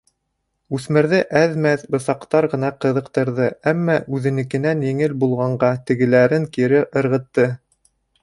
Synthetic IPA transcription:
ʉθmɘ̆ɾðɘʔæðmæθbɤ̆sɑqt̪ɑɾʁɤ̆nɑqɤ̆ðɤ̆qt̪ɤ̆ɾðɤæmːɑʔʉðɘ̆nɘ̆kɘ̆nænjɘ̆ŋɘlbulˠʁɑɴɢɑt̪ɘ̆ɡɘ̆læɾɘŋkiɾɘʔɤ̆ɾʁɤ̆t̪ːɤ

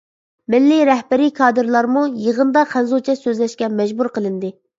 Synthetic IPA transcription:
mɪlːiɾɛhbæɾikʰɑːd̪ɨɾlˠɑɾmujəʁənd̪ɑχʰænzut͡ʃʰɛsøzlɛʃkʲɛmɛd͡ʒbuɾqəlˠɨnd̪ɨ

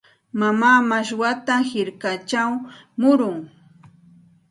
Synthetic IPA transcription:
mamaːmaʃwat̪ahɪɾkat͡ʃaw | mʊɾʊŋ

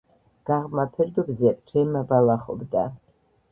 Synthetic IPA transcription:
ɡ̥aʁmapʰɛrd̪ubzepʼtʰɛmabalaχo̰bda

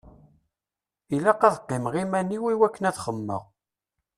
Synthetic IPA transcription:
ilæqɑðqːɪmʁimænːiwiwækːənæθχəmːə̰ʁ

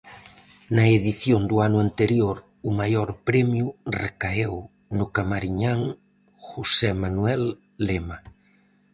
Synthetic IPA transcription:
nɐeðiθjond̪ʊanʊant̪eɾjoɾ | ʊmajoɾpɾɛmjʊrekaew | nʊkamaɾiɲaŋ | xusɛmanwɛlː | ema

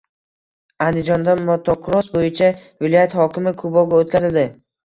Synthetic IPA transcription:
and̪ɪd͡ʒɒnd̪anmot̪ʰːokʰɾosbojɪt͡ʃʰavɪlˠɒjat̪hɒkʲɪmɪkʰʊbɒɡʲaot̪̚kʲazɪld̪ɪ

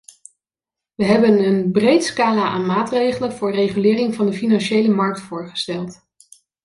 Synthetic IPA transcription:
ʋəɦɛbənənbrejtskaːlaːʔaːnmaːtrejχələnvʊːɹrejχylɪːrɪŋvɑndəfinɑnʃejləmɑɹk̚tfʊːɹχə̥stɛlˠt

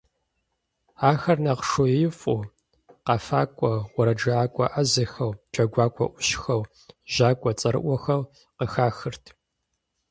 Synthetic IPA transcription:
aːxɐrnɐqʂojejɪfʼu | qɑfa̰ːkʷʼɔwɔɾɐd͡ʒɐaːkʷʼɔʔɐzɐxɐwt͡ʃʼɐɡʷaːkʷʼɐ̰ʔʷʊɕxɐw | ʒaːkʷʼɔt͡sʼɐɾɨ̰ʔʷɔxɐw | qəxaːxɨrtʰ

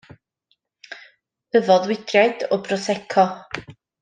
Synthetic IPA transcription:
əvɔðwɪd̥rjajd̥ɔbrɔsɛkʰɔ

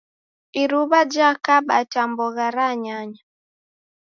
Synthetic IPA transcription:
iɾuβad͡ʒakaɓa̰tambɔɣaɾaɲaɲa

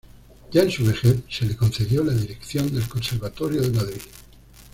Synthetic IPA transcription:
jaensuβexeθse̞lekõ̞nθe̞ðjolaðiɾekθjo̞nd̪e̞lkõ̞nseɾβat̪oɾjoðemaðɾið

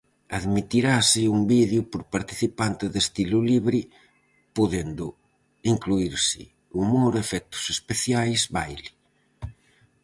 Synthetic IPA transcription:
aðmit̪iɾaːsiumbiðjupoɾpaɾt̪i̥θipant̪ɪðest̪iluliβɾi | poðend̪ʊ | iŋkluiɾsɪ̰ | umoɾefɛk̚t̪ʊ̥sespeθjajzβajli̥

